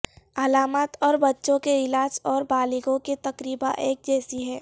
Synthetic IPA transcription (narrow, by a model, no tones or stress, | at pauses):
əlaːmət̪ɔːɾbɐtːʃõkeɪlaːd͡ʒɔːɾbaːlɪɡõket̪ɐkɾiːbãʔeːk̚d͡ʒɛːsiɦɛː